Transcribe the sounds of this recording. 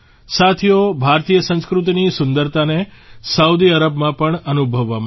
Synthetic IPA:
sat̪ʰijobʱaɾt̪ijəsə̃nskɾut̪̬inisʊnd̪əɾt̪anesəud̪iəɾəbmãpəɳənubʱəʋːam

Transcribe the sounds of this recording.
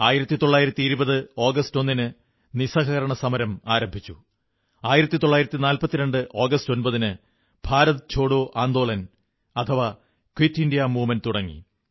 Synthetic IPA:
aːjiɾɐt̪ːit̪o̞ɭːaːjiɾɐt̪ːiːɾubɐðɨo̞ːɡɐsto̞nːinɨ | nisɐɣɐɣɐɾɐɳɐsɐmɐɾɐmaːɾɐmbʱit͡ɕːu | aːjiɾɐt̪ːit̪o̞ɭːaːjiɾɐt̪ːinaːlpɐt̪ːiɾeɳɖɨʔo̞ːɡɐsto̞nbɐðinɨ | b̥ʱaːɾɐt̪ɨt͡ɕʰo̞ːɽoːʔaːnd̪o̞ːɭɐn | ɐt̪ʰɐʋa | kwitːindijɐmuːmɐnt̪uɽɐŋːḭ

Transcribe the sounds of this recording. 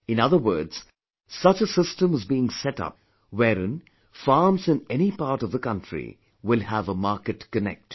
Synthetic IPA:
ɨ̃nʌðəwɜ̰ːdz̥ | sʌt͡ʃəsɪstə̃mɨzbiɪ̃ŋsɛtʌ̰p̚ | weːɾɪ̃n | fɑːɹmzɨ̃nɛñipaɾʈʌvðəkʌ̃ntɹ̥ḭ | wɪlˠhævəmɑɹkɨʈkɨnɛ̰k̚t

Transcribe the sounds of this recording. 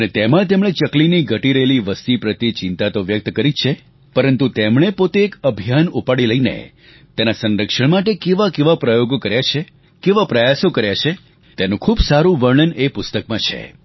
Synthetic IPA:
ənet̪emãt̪̬emɽ̃et͡ʃəkliniɡʱəʈiɾəeliʋəst̪ipɾət̪it͡ʃɪnt̪at̪oʋjək̚t̪kəɾit͡ʃʰe | pəɾənt̪ut̪emɳ̃epot̪eːkəbʱijanupaɽiləinḛ | t̪enasə̃nɾəkʃəɳmaʈekeʋakeʋapɾəjoɡokəɾjat͡ʃʰe | keʋapɾəjasokəɾjat͡ʃʰe | t̪enũkʰubsaɾũʋəɾɳənepʊst̪əkmãt͡ʃʰḛ

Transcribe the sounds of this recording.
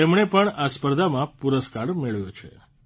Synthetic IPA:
emɳepəɳaspəɾd̪ʱamãpuɾəskaɽmeɭʋjot͡ʃʰḛ

